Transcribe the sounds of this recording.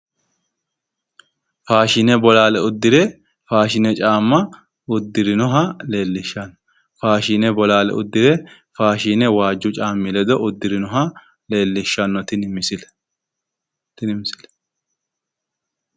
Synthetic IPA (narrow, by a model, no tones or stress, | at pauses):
faːʃɪnɛbɔlaːlɛʊd̪ːɪɾɛ | faːʃɪnɛt͡ʃʼaːmːɐ | ʊd̪ːɪɾɪnɔɦɐleːlːɪʃːɐnːɔ | faːʃɪnɛbɔlaːlɛ̰ʔʊ̰d̪ːɪɾɛ | faːʃiːnɛwaːd͡ʒːʊt͡ʃʼaːmːɪlɛd̪ɔʔʊd̪ːɪɾɪnɔɦɐ | le̞ːlːɪʃːɐnːɔt̪ɪnɪmɪsɪlɛ̥ | t̪ɪnɪmɪsɪlɛ̥